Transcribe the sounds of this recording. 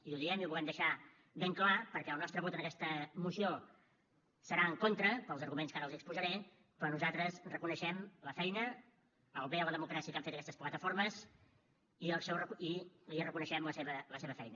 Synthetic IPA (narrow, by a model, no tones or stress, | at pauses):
iuðiɛmiuβulɛmd̪əʃa | βeŋklapəɾkɛəlˠnɔst̪ɾəβɔt̪ənəkɛst̪əmusio | səɾaəŋkont̪ɾəpəlˠzəɾɣumenskaɾəlˠzikspuzəɾɛ | pɾɔnuzat̪ɾəsrəkunəʃɛmləfɛjnə | əlˠβeələðəmukɾasiəkamfet̪əkɛst̪əsplət̪əfoɾməs | iəlˠsɛwrəiliərəkunəʃɛmləseβələseβəfɛjnə